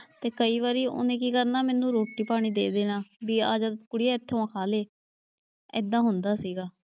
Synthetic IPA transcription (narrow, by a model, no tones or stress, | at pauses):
t̪eːkəiːʋaːɾiːʊ̰nẽːkiːkəɾnaːmɛːnːũːɾoːʈːiːpaːɽ̃iːd̪eːd̪eːnaːbiːaːd͡ʒaːt̪kʊɽijaːɪt̪ʰːeãːkʰaːleː | ɪ̰d̪ãːɦʊnd̪aːsiːɡaː